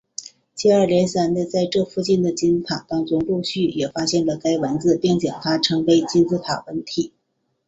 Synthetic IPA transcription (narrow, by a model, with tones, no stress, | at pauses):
t͡ɕɛ˥˩ə˞˥˩ljɛ˧˥nsa˧˥nnə˥˧t͡sa˥˧ɪʈ͡ʂɤ˥˧fu˥˧t͡ɕi˥˩nd̪ə˩t͡ɕi˥n̩˥t̪ʰa˨˩ŋt̪ɑ˥ŋʈ͡ʂʊ˥ŋlu˥˧ɕy˥˩jɛ˨˩fa˥ɕjɛ˥˩nlə˩ka˥ɪwə˧˥nt͡sɹ̩˧pjɛ˥˩ŋt͡ɕjɑ˨˩ŋt̪ʰa˥ʈ͡ʂʰɤ˧˥ŋwe˧˥ɪt͡ɕi˥nt͡sɹ̩˥t̪ʰa˨˩wə˧˥nt̪ʰi˨˩˦